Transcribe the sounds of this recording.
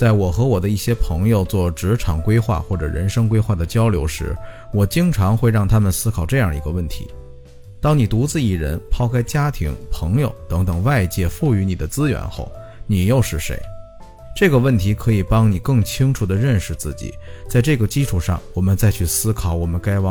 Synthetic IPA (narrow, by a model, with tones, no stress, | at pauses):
t͡sa˥˩ɪwɔ˨˩xɤ˧˥wɔ˨˩d̪ə˦i˥˩ɕjɛ˥pʰɤ˧˥ŋjo˧ʊt͡swɔ˥˩ʈ͡ʂɻ̩˧˥ʈ͡ʂʰɑ˨˩ŋkwe˥ɪxwa̰˥˧xwɔ˥˩ʈ͡ʂɤ̰˨˩ɻə̰˧˥nʂɤ˥ŋkwe˥ɪxwa˥˩d̪ə˩t͡ɕjɑ˥ʊljo˧˥ʊʂɻ̩˧˥wɔ˨˩t͡ɕi˥ŋʈ͡ʂʰɑ˧˥ŋxwe˥˧ɪɻɑ˥˩ŋt̪ʰa˥mə˨nsɹ̩˥kʰɑ˨˩ʊʈ͡ʂɤ˥˧jɑ˥˩ŋi˧˥ɡə˧wə˥˩nt̪ʰḭ˧˥ | t̪ɑ˥ŋni˨˩t̪u˧˥t͡sɹ̩˥˧i˥˩ɻə̰˧˥npʰɑ˥˧ʊkʰa˥ɪt͡ɕja˥t̪ʰḭ˧˥ŋpʰɤ˧˥ŋjo˨˧ʊt̪ɤ˧˥ŋt̪ɤ˨˩ŋwa˥˧ɪt͡ɕjɛ˥˧fu˥˩y˧˥ni˨˩d̪ə˦t͡sɹ̩˥ɥɛ̰˧˥nxo̰˥˩ʊ | ni˨˩jo˥˧ʊʂɻ̩˥˩ʂḛ˧˥ɪ | ʈ͡ʂɤ˥˩ɡə˩wə˥˩nt̪ʰi˧˥kʰɤ˧˥i˨˩pɑ˥ŋni˨˩kɤ˥˩ŋt͡ɕʰi˥ŋʈ͡ʂʰu˨˩d̪ə˩ɻə˥˧nʂɻ̩˧t͡sɹ̩˥˩t͡ɕḭ˨˩t͡sa˥˧ɪʈ͡ʂɤ˥˩ɡə˩t͡ɕi˥ʈ͡ʂʰu˨˩ʂɑ̰˥˩ŋwɔ˨˩mə˦nt͡sa˥˧ɪt͡ɕʰy˥˩sɹ̩˥kʰɑ˨˩ʊwɔ˨˩mə˦nka˥ɪwɑ˥ŋ